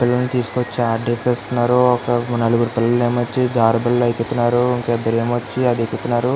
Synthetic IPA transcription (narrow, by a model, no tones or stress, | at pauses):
pilːɐlnit̪iːsu̥kot͡ʃːiaːʈɖeːpeːst̪unːaːɾuɔkɐnɐluɡɾupilːɐlneːmɐt͡ʃːid͡ʒaːɾɐbɐlɐlɐjikut̪unːaːɾuiŋkɛd̪ːɐɾeːmʋɐt͡ʃːiɐd̪ekut̪unːaːɾu